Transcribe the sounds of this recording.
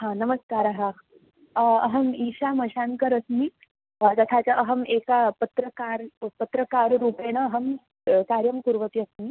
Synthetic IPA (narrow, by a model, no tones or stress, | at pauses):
ɦãnɐməskaːɾaɦa | ɐɦɐmiːɕamɐɕankəɾɐsmi | t̪ɐt̪ʰat͡saʔɐɦɐmekapɐt̪ɾəkaɾpɐt̪ɾəkaːɾɾuːpeɽ̃əːɦɐm | kaːɾjɐmkuɾʋət̪iɐsmi